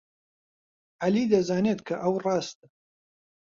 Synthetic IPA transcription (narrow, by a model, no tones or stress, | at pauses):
ʔalid̪ɐzaːneːt̪kʰɐʔɐwrɑːst̪̚